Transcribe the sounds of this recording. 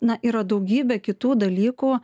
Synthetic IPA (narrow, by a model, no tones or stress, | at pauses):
nɐʔiːɾɐd̪ɐʊɡʲiːbʲɛːkʲɪt̪uːd̪ɐlʲiːkuː